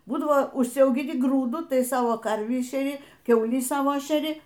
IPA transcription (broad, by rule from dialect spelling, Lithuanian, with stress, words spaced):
ˈbuːdɐʋoː ʊʃʲsʲɛʊɡʲɪˈnʲɪ ˈɡruːdʊ ˈtɐɪ ˈsɑːʋoː kɐrʲʋʲiː ʃʲɛˈrʲɪ ˈkʲɛʊlʲiː ˈsɑːʋoː ʃʲɛˈrʲɪ